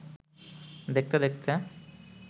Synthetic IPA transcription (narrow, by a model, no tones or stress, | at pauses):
d̪ek̚t̪ɐd̪ek̚t̪ʰɐ